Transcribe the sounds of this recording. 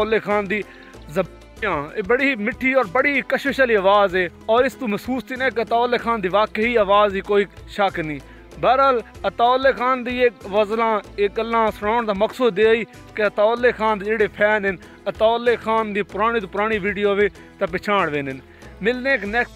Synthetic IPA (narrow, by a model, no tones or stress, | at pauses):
lːeːkʰaːnd̪iː | zə | ãːbəɽiːmɪʈʰːiːɔːɾbəɽiːkəʃɪʃəliːəʋaːzeːɔːɾɪst̪ũːməsuːst̪ʰiːnaːkət̪aːʊlːeːkʰaːnd̪iːʋaːkeiːaʋaːziːkoːiʃəknĩː | baːɾɦələt̪aːʊlːeːkʰaːnd̪iːeːkʋəzlãːek̚ɡəlːãːsəɽaːɳd̪aːməksuːd̪d̪eːiː | keət̪aːʊlːeːkʰaːnd̪d͡ʒeːɽeːpʰɛːnɦɪn | ət̪aːlːeːkʰaːnd̪ĩːpʊɾaːɽ̃iːt̪oːpʊɾaːɽ̃iːʋiːɖijoːʋeː | t̪aːpɪt͡ʃʰaːɽʋeːnɦɪn | mɪlnẽːknɛk